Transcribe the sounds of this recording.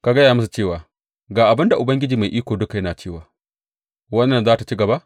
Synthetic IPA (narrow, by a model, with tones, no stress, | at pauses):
ka˨ɡɐ˦jaː˨mʊ˦su˨t͡ʃeː˦˨waː˨ | ɡaː˨ʔa˨bɪ˦nda˨ʔʊ˨bɐ˦ŋɡʲɪ˦d͡ʒiː˨ma˨jʔiː˦kʷoː˨dʊ˦ka˨jɐ˦naː˨t͡ʃeː˦˨waː˨ | wɐ˦nːɐ˨nzaː˦ta˨t͡ʃi˦ɡɐ˨ba˦ʔ